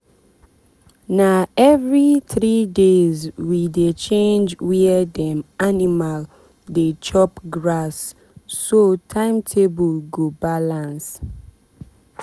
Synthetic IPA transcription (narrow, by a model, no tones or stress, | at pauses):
naɛvɹiθɹidezwidet͡ʃẽnd͡ʒwiɛdɛ̃manimal | det͡ʃɔpɡɹasː | otʰãɪ̃mtʰebulɡobalãns